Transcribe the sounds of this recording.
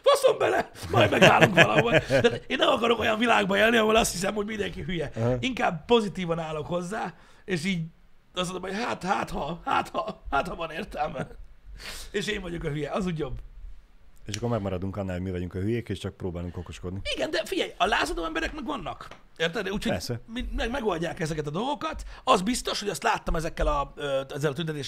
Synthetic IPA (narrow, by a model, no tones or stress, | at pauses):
hɒsombɛlɛ | mɒjmɛɡaːluŋkvɒlɒɦolt̪aːt̪eːnːɛmɒkɒɾo̞ko̞jɒɱvilaːɡbɒeːlniɒɦoːlɒst̪his̬ɛmho̞ɟmind̪ɛŋkiɦyjɛiŋkaːbpo̞zit̪iːvɒnaːlo̞kho̞zːaː | eːʃiːɟ | ɒs̬ond̪omho̞cɦaːt̪haːt̪hɒha̰ːt̪hɒhaːt̪hɒvɒneːrt̪ɛlmɛn | eːʃeːɱvɒɟo̞kɒɦyjɛɒzuːɟobː | eːʃɒkːoɾmɛɡmɒɾɒd̪uŋkɒnːaːlhomivɒɟuŋkɒɦyjeːkeːʃt͡ʃɒk̚pɾoːbaːluŋkokoʃko̞d̪niiɡɛnd̪ɛfiɟɛjɒlaːzɒd̪oːɛmbɛɾɛkmɛɡvɒnːɒk | eːrt̪ɛlnɛuːcʰhoɛɾsɛmiɛɡmɛɡo̞lʲɟaːkɛzɛkɛt̪ɒd̪o̞lˠɡo̞kɒt̪ɒzbist̪o̞ʃho̞ɟɒst̪laːt̪ːɒmɛzɛkːɛlɒøɛzːɛlɒt̪ynt̪ɛt̪̬eːʃ